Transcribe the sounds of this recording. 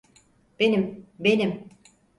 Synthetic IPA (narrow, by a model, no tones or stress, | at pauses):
b̥enimbenim